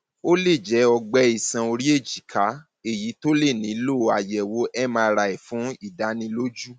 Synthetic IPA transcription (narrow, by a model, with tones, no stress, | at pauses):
o˦le˦˨d͡ʒɛ˨˦ɔ˧ɡ͡bɛ˧˦i˨sã˧o˧ɾi˦e˦˨d͡ʒi˨kʰa˨˦ | e˦˨ji˨˦to˦le˦˨nĩ˨˦lo˦˧a˨jɛ˨wo˨˦ʔɛ˦mãː˧ɾa˧˨ɛ˨fũ˨˦i˦˨da˨˦nĩ˧lo˦d͡ʒu˦